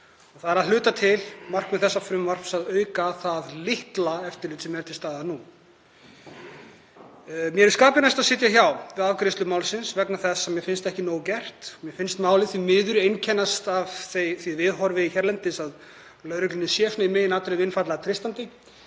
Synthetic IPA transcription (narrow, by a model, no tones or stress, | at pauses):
ɔθaðɾaðlʏːt̪at̪ʰɪlmar̥kmɛθɛsːafɾʏmvar̥psaðœːɥkaθaðlɪht̪laɛft̪ɪɾlɪːt̪sɛmjɛɾt̪ʰɪst̪aːðanu | mjɛɾɛɾ̥skaːpɪɾnajst̪aðsɪːt̪̬jaçawvɪðavkɾɪst̪lʏmawlsɪnsvɛknaθɛsːɛmjɛɾfɪnst̪ɛhcɪnoːwcɛr̥t̪mjɛfɪnst̪maːwlɪθimɪːðʏɾejncʰɛnːast̪avθejθvivɪðɦɔɾvɪiçɛɾlɛnt̪ɪsað | lœːɾʏklʏnɪsjɛsnaimɛːjɪnaːt̪ʏɾlɪɪnfat̪laɣt̪ʰɾɪst̪ant̪ɪ